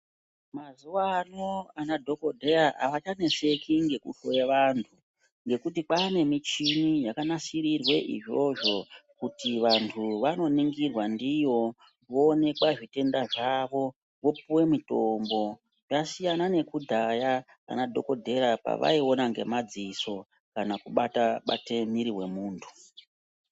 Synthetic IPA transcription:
mazuwanoanadʱo̞ko̞dʱe̞raʔa̰ʋat͡ʃane̞ʂe̞kiŋɡe̞kuʃojeʋaːntʰu | ŋɡe̞kut̬ipane̞mit͡ʃinijakanasiɾirwe̞ʔḭʐo̞ʐo̞kutiʋantʰuʋano̞niŋɡirwandijo̞ | ʋo̞ːne̞kaʐite̞ndaʐaʋo̞ | ʋo̞puwe̞mito̞mbo̞ | jasijanane̞kudʱaja | a̰nadʱo̞ko̞dʱe̞ɾapa̰ʋa̰io̞naŋɡe̞̰mad͡ziso̞ | kanakuɓataɓa̰temiɾiɦwe̞muːntʰu̥

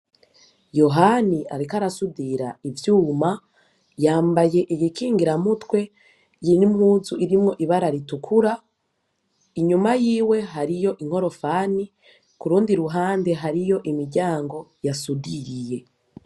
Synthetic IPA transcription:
jo̞ɦania̰ɾikaɾasudiɾa̰ivjuːma | jaːmbaje̞ʔijikiːŋɡiɾamutwe̞ | jinimhuːzuʔiɾimŋo̞ʔiβaɾaɾitukʰuɾa | iɲumajiːwe̞ɦaɾijo̞ʔiŋ̥ho̞ɾo̞fani | kuɾuːndiɾuɦaːnde̞ɦaɾijo̞ʔimiɾɟaːŋɡo̞jasudiɾije̞

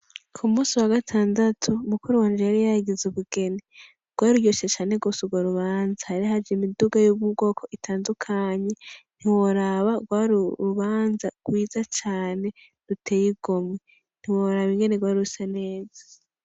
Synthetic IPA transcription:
kʰumuːsiwaɡatʰaːndatʰumukuɾuwanɾaɾijahaɡizuβuɡe̞ni | ɡ̥waːɾujoʃet͡ʃaːneɡo̞ːsuɡwaɾuβaːnzahaɾiahad͡ʒimiduɡajuɡwuɡo̞ːkʰo̞ʔitʰaːndukʰaɲe̞n̥hiwoɾaβaɡwaːɾuɾuβaːnzaɡ̥wiːzat͡ʃaːne̞ | dutʰejiɡ̥omŋe | n̥hiwoɾaβiŋɡe̞neɡwaːɾusane̞ːzḁ

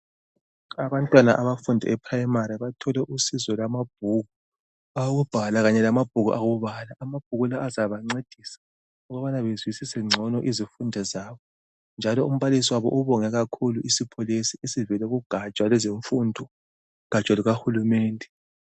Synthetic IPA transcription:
aβantʼwana̰ʔaβafundʱɛ̰ʔɛpʰrajmaɾiβatʰɔlɛʔusizɔlamab̥̚ʱuɣu | aɣub̥ʱalaɣaɲɛlamab̥̚ʱuɣṵʔaɣuβalaʔːmab̥ʱuɣulaʔːzaβaŋ͡ǀed̥ʱiːsḁ | ɔɣɔβanaβezwisisɛŋ͡ǀʱɔnɔʔizifundʱɛzaːβɔ | nd͡ʒʱalɔum̩βalisiwaβɔ̰ʔuβɔŋɛɣakʰuluʔisipʰolisiesivɛlɛɣuɡ̥ʱat͡ʃʼwalɛzeɱfundʱɔ | ɣ̥ʱḁt͡ʃʼaluɣaxulumɛːndʱɛ

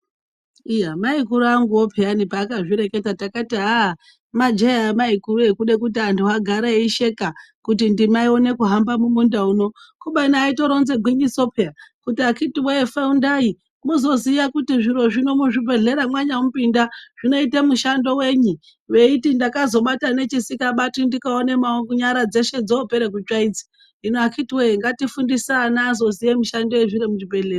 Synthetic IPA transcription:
ijamaikuɾuaŋɡuopʰeanipaːkaʐiɾe̞ke̞tatakatiɦa | mad͡ʒejamaikuɾuekuɗe̞kutiantʰuwaɡʱaɾeiʃe̞kakut̬indimaio̞ne̞kuɦambamumundauno̞kuɓainaaːito̞ɾo̞nze̞ɡʱwiɲiso̞peakutiakitiweefeundai | muzo̞zijakutiʐiɾo̞ʐino̞muʐibʱe̞ɮe̞ɾamwaɲaumupindaʐ̥ino̞itemuʃando̞we̞ɲu | ʋe̞itindakazo̞ɓatane̞t͡ʃisikaɓatindikaonemaoɲaɾad͡ze̞ʃe̞d͡zoope̞ɾek̬ut͡ʃaid͡zi̥ | inoakʰitiweeŋɡatifundisanaːzo̞zijemuʃandoeʐiɾemuʐibʱe̞ɮeːra

